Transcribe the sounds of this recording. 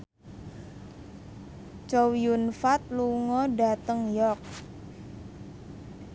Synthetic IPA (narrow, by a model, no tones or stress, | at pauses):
t͡ʃowijunfat̪̚luŋɔɖa̤t̪əŋjɔk̚